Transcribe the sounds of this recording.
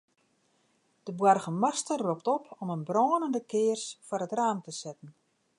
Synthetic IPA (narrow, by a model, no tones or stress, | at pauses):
d̥əbwɔrɣənmastərroptɔpʰɔmənbroːnəndəkɪːərsfɔrətraːmtəsɛtən̩